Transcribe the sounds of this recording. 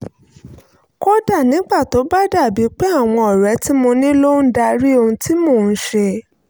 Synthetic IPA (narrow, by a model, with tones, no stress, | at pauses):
ko˦da˦˨nĩ˨˦ɡ͡ba˦˨to˨˦ba˦da˦˨bi˨˦k͡pe˦a˦˨w̃ɔ̃˧ɔ˨ɾɛ˨˦ti˦mõ˧nĩ˦lo˦n̩˦da˧ɾi˦o˧ũ˧ti˦moː˦˨n̩˨˦ʃe˧